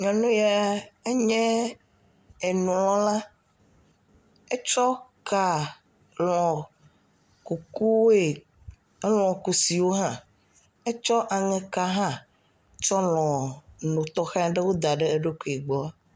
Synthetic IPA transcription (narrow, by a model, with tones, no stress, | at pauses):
ɲɔ̃˨nũ˦ja˦e˦ɲɛ̃˦ | e˨nũ˨lɔ̃˨lã˦ | e˦t͡ʃɔ˦ka˦ | lɔ̃˨ | ku˨ku˦we˨˦ | lɔ̃˨ku˨si˨wo˦ɦã˦ | e˦t͡ʃɔ˦ʔa˨ŋɛ̃˨ka˦ɦã˦ | t͡ʃɔ˦l̃ɔ̃˨nũ˨t̪ɔ˦xã˦a˦ɖɛ˦wo˦d̪a˨ɖe˦e˦ɖo˦ku˨i˨ɡ͡bɔ˦a˦